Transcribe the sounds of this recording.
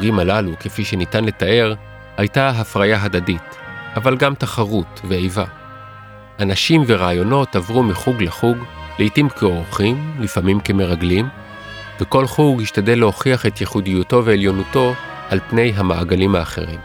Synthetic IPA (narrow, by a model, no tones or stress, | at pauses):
ɡimalaluke̞fiʃenitanle̞tae̞ʁ | hajtaɦafʁajaɦadadit | avalɡamtaχaʁutveejva | anaʃimve̞ʁaːjo̞no̞tavʁumiχuɡleχuɡleitimkʰeo̞ʁχimlifamimke̞me̞ʁaɡlim | veko̞lχuɡhiʃtadeleho̞χiaχe̞tjeχudijuto̞veːljo̞nuto̞ | ʔalpne̞jɦamaaɡalimhaːχe̞̰ʁim